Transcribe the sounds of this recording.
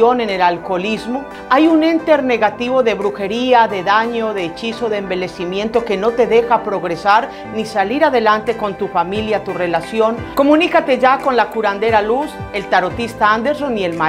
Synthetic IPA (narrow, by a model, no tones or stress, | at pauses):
one̞ne̞lalko̞lizmo̞ | ajune̞nt̪e̞ɾne̞ɣat̪iβo̞ðe̞βɾuxe̞ɾiaðe̞ðaɲo̞ðe̞ːt͡ʃiso̞ðembe̞le̞simjẽ̞nt̪o̞ke̞no̞t̪e̞ðe̞xapɾo̞ɣɾe̞saɾ | nisaliɾaðe̞lant̪e̞ko̞nt̪ufamiljat̪ure̞lasjo̞nko̞mũnikat̪e̞ʝako̞nlakuɾand̪e̞ɾaluse̞lt̪aɾo̞t̪ist̪aand̪eɾsonie̞lma